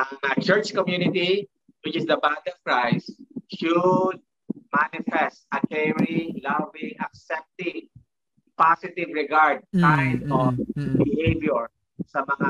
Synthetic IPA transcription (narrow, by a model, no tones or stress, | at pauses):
ʔɐŋɐt͡ʃɛɹt͡ʃkɔmjunɪt̪i | wɪt͡ʃɪsd̪ɐbat̪iɔv̥kɹajst̪ʃʊd̪̚ | manɪfɛst̪̚ɐt̪ɛvɹilaviʔɐk̚sɛp̚t̪ɪv | pasɪt̪ɪvɹɛɡaɹd̪̚kajnɔfbɪhejvjɔɹ | sɐmɐŋa